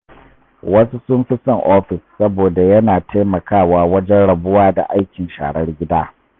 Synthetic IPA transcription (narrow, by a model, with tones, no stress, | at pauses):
wɐ˦su˦sʊ˦mɸɪ˦sɐ˨ŋʔoː˦ɸɪ˨sːɐ˦boː˨da˨jɐ˦naː˨tʰa˦jmɐ˨kaː˦˨waː˨wɐ˦d͡ʒɛ˦nɽɐ˨bʊ˦waː˦da̰˨ʔa˦jkʲɪ˨nʃa̰ː˨ɽɐ˦rɡʲɪ˦daː˦